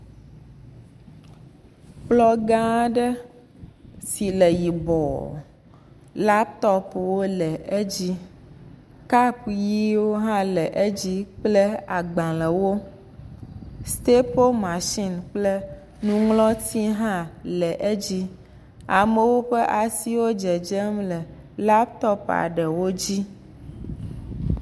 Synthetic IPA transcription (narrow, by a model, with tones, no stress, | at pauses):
blɔ˦ɡã˦ɖɛ˦ | si˨le˨ji˨bɔ̰˨ | la˦p̚t̪ɔ˦pwo˦lɛ˨ʔe˦d͡ʑi˦ | ka˦pji˦wo˦ɦã˦lɛ˨ʔe˦d͡ʑi˦k͡ple˦a˨ɡ͡bã˨le˨wo˦ | st̪e˦po˦lmã˨ʃi˦nk͡ple˦ | nũ˦ŋlɔ̃˦t̪i˦ɦã˦lɛ˨ʔe˦d͡ʑi˦ | a˨me˦wo˦ɸɛ˦ʔa˨si˦wo˦d͡ʒe˨d͡ʒɛ˦mlɛ˨ | la˦p̚t̪ɔ˦pa̰˨ɖɛ˨wo˦d͡ʑi˦